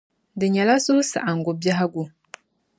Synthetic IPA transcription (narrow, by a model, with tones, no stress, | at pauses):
dɨ˨ɲɛ˨la˦sʊ˦hʊ˦sa̰˨ʔa˨ŋ̩˨ɡʊ˨ba˦ɦa˦ɡu˨